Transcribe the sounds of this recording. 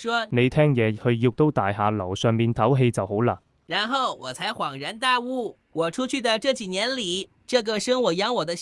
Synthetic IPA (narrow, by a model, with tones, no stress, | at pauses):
ʂwɔ˥ne˨˧jt̪ʰɛː˥ŋjɛː˨˧hɵ˧ɥji˧k̚t̪o˥wt̪aː˨jɦaː˨˧lɐ˨˩wsœː˨ŋmiː˨˩nt̪ʰɐ˨˥wɦe˧jt͡sɐ˨who˨˥wlaː˧ | ɻa˧˥nxo˥˩ʊwɔ˨˩t͡sʰa˧˥ɪxwɑ˨˩ŋɻa˧˥nt̪a˥˧u˥˩ | wɔ˨˩ʈ͡ʂʰu˥t͡ɕʰy˥˩d̪ə˨ʈ͡ʂɤ˥˩t͡ɕi˨˩njɛ˧˥nli˨˩˦ | ʈ͡ʂɤ˥˩ɡə˨˩ʂɤ˥ŋwɔ˨˩jɑ˧˥ŋwɔ˨˩d̪ə˦